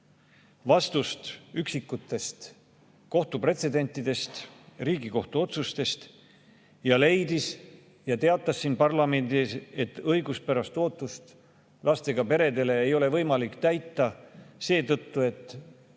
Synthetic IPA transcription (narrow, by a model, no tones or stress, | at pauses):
vɑst̪ust̪yksikːˑut̪ːˑe̞st̪ | ko̞ht̪upre̞t̪se̞d̪e̞nʲt̪ːˑid̪̥e̞st̪riːɡiko̞ht̪uo̞t̪sust̪e̞st̪ | jɑle̞jd̪is | jɑt̪e̞ɑt̪ːˑɑsːiːnpɑrlɑme̞nd̪ise̞t̪ːɤjɡuspæɾɑst̪o̞ːt̪ˑːust̪ | lɑst̪e̞ɡ̥ɑpe̞ɾe̞d̪e̞le̞ːjo̞le̞vɤjmɑlikt̪æjt̪ːˑɑse̞ːt̪ɤt̪ːue̞t̪ˑː